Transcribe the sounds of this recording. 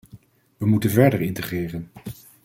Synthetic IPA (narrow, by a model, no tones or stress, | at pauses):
ʋəmutənvɛɹdəɹɪntəχrɪːrən